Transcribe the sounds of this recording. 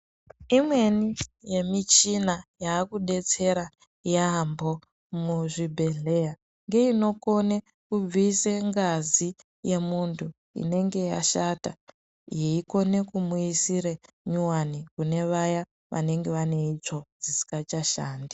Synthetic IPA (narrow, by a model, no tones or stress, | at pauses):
imwe̞nije̞mit͡ʃinajaːkuɗe̞t͡se̞ɾa | jaːmbo̞ | muʐibʱe̞ɮe̞ja | ŋɡe̞ino̞ko̞ne | kub͡viseŋɡazi | je̞muntʰu | ḭne̞ŋɡe̞ja̰ʃata | jeiko̞ne̞kumuisiɾe | ɲuwanikune̞ʋaja | ʋa̰ne̞ŋɡe̞ʋane̞it͡ʂo̞d͡zisi̥kat͡ʃaʃaːndi